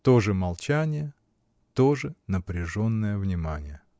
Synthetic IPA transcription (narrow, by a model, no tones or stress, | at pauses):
t̪o̞ʐɨmɐlˠt͡ɕanʲɪjə | t̪o̞ʐɨnəpɾʲɪʐo̞nːəjəvnʲɪmanʲɪjə